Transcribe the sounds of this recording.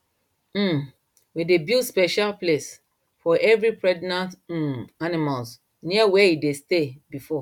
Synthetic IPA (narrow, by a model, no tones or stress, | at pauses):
m̩ | widebildspɛʃalples | fɔʔɛvɹipɹɛdnã | animals | niawɛidestebifɔ